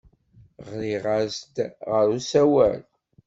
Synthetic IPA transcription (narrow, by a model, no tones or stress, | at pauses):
ʁɾiʁəɾsd̪ʁəɾusæwæ̰l